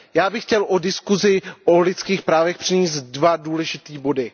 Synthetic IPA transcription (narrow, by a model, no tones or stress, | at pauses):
jaːbɪxcɛlʔodɪskuzɪʔolɪt͡skiːxpɾaːvɛxpr̥ɪɲiːst̪dvaduːlɛʒɪt̪iːbo̞dɪ